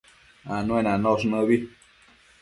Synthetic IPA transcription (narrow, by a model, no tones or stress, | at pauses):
anũẽnãnõʂ̬nə̃βi